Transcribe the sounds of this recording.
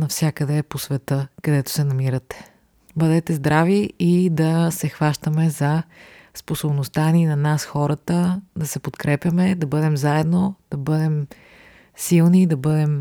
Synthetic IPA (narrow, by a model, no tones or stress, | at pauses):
nɐfsʲjakəd̪ɛposvɛt̪ɤkɐd̪ɛt̪o̥sɛnɐmiɾət̪ɛ̥ | bəd̪ɛt̪ɛzd̪ɾaviid̪ɐsɛxvaʃt̪əmɛzɐsposobnost̪aninɐnasxɔɾət̪əd̪ɐsɛpot̪kɾɛpʲjɐmɛd̪ɐbɤd̪ɛmzaɛd̪nod̪̥ɐbɤd̪ɛm | silˠnid̪ɐbɤd̪ɛm